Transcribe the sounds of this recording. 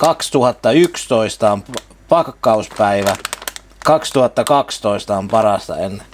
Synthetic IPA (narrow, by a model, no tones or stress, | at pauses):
kɑkst̪uhɑt̪ːɑykst̪oist̪ɑomp | pɑkkːɑuspæiʋæ | kɑkst̪uhɑt̪ːɑkɑkst̪oist̪ɑompɑrɑst̪ɑ̰enːe